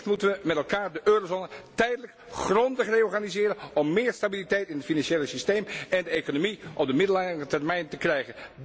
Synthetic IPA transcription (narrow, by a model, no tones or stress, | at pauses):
tmutənʋəmɛtɛlˠkaːɹdəʔøːrozoːnətɛjdələk | χrɔndəχrejɔɹχaːnizɪːɾənɔmːɪːɹstabilitɛjtɪnɦətfinɑnʃejləsistejmɛndəejkonomiʔɔb̚dəmɪdəlaətɛrmɛjntəkrɛjχən